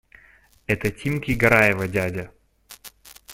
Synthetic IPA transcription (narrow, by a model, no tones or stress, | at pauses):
ɛt̪ətʲimkʲiɡɐɾajɪvɐdʲadʲɐ